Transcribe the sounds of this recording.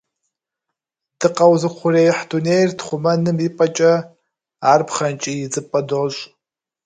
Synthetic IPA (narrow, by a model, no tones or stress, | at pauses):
d̥ɨqɐwzɨqʷʰʊreːjɪħduneːjrtχʷʊmɐnɨmipʼɐt͡ʃʼɐ | aːrpχɐnt͡ʃʼijɪzɨpʼɐdoːɕʼ